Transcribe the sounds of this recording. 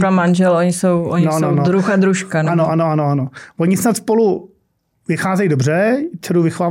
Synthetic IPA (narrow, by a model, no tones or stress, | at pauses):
kamanʒɛloɲɪsowʔoɲasnownod̪ɾuxad̪ɾuʃkananoʔanoanoanovoɲɪsnat̪spolu | vɪxaːzɛjidobrɛt͡ʃɛɾuvɪxʋaː